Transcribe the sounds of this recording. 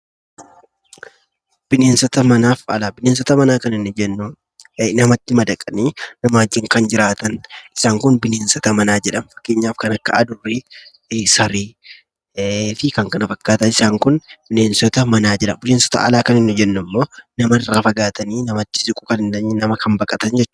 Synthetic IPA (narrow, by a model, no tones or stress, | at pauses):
b̥ɪne̞ːnsɔt̪ɐmɐnaːfɐlaːbɪneːns̬ɔt̪ɐmɐnaːkɐnɪnːʊd͡ʒɛnː | nɐmɐt̪ːɪmɐd̪ɐkʼːɐniːnɐmaːd͡ʒːɪŋkɐnd͡ʒɪɾaːt̪ɐnɪ̥saːŋkʊnbɪneːnsɔt̪ɐmɐnaːd͡ʒɛᶑɐmfɐ̥kːe̞ːɲːaːfkɐnɐkːɐ̰ɐd̪ʊrːi | sɐɾiː | fɪkɐŋkɐnɐfɐkːaːt̪ɐnɪsaːŋkʊnb̥ɪne̞ːnsɔt̪ɐmɐnaːd͡ʒɛᶑɐ̰mbɪneːnsɔ̥t̪ɐ̰ʔɐ̰laːkɐnɪnːʊd͡ʒɛnːʊmːo̞ːnɐmɐɪrːaːfɐɡaːt̪ɐniːnɐmɐt̪ːɪ̥sɪkʼʊkɐnɪnɐninɐmɐkɐmbɐkʼɐt̪ɐnd͡ʒɛt͡ʃːʊ̥